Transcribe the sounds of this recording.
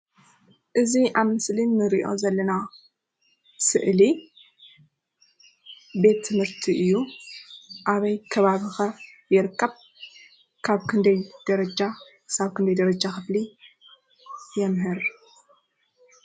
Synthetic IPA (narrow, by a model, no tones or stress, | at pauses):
ʔɨziʔaβmɨslinːɨɾiʔo̞̰zɐlːɐna | sɨʔli | be̞t̪ʰːɨmhɨɾt̪ʰiʔɨjːu | ʔaβɐjkʰɐβaβixɐjɨɾɨkːɐβ | kʰaβkʰɨnd̪ɐjd̪̥ɐɾɐd͡ʒakʰɨsaβkʰɨnd̪ɐjd̪ɐɾɐd͡ʒaxɨfli | jɛmɦɨɾ